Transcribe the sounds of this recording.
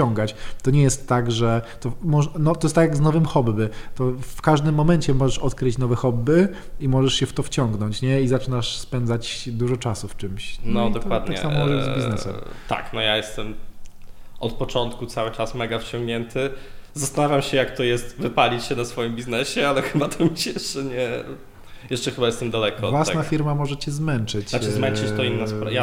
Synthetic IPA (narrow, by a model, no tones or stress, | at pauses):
t͡ɕɔŋɡat͡ɕt̪ɔɲɛjɛst̪ːaɡʐɛt̪ɔmɔʐnɔt̪ɔjɛst̪akjaɡznɔvɘmxɔbːɘt̪ɔfkaʐd̪ɘmːɔmɛɲt͡ɕɛmɔʐɛʂɔt̪kɾɘt͡ɕnɔvɛxɔbːɘ | imɔʐɛʂɕɛft̪ɔft͡ɕɔŋɡnɔɲt͡ɕɲɛizat͡ʂɘnaʂspɛnd̪zat͡ɕd̪uʐɔt͡ʂasuft͡ʂɘmɕnɔdd̪ɔk̪kwad̪ɲaɛkssamɔɛjzʲiz̰nɛsɛ̰mt̪a̰knɔjajɛst̪ɛm | ʔɔt̪̚pɔt͡ʂɔnt̪kut̪sawɘt͡ʂasmɛɡaft͡ɕɔ̃ŋɡɲɛnt̪ʰɘzast̪anavʲjamɕɛjakt̪ɔjɛst̪vɘpalʲit͡ɕɕɛnasfɔjimbʲiznɛɕɛalɛxɘbat̪ʰɔmʲiɕɛjɛʂt͡ʂɛɲɛ | jɛʂt͡ʂɛxɘbajɛst̪ɛmd̪alɛkɔvwasnafʲiɾmamɔʐɛt͡ɕɛzmɛnt͡ʂɘt͡ɕaɛzmɛnt͡ʂɘt͡ɕt̪ɔinːɔsja